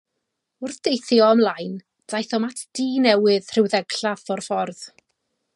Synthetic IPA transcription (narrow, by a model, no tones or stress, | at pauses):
ʊrθd̥ejθjɔəmlˠajn | d̥ajθɔmatʰd̥iːnɛwɨð̥r̥ɨwðɛɡ̥ɬafɔrfɔrð